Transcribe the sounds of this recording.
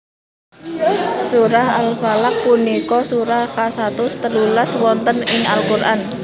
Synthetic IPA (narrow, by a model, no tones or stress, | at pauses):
suɾaha̰lfalak̚punikɔsuɾahkasat̪ʊst̪ərlulaswɔnt̪ənɪŋalkurʔan